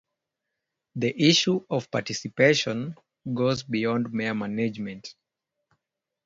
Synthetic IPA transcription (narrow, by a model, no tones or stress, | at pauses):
ðiʔiʃuɔv̥patisipeʃɔ̃n | ɡozbiɔ̃ndmeəmaned͡ʒmɛ̃nt